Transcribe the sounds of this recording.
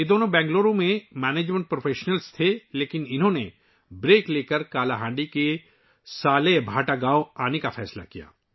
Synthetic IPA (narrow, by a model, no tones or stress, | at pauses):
jed̪oːnõbɛ̃ːŋɡloːɾõmẽmɛːneːd͡ʒmẽɳʈ̚pɾofʰeːʃnəlst̪ʰeleːkɪnɪnɦõne | bɾeːkleːkəɾkaːlaɦãːɳɖike | saːlebʱaːʈaɡaːoaːnekafɛːsla̰kija̰ː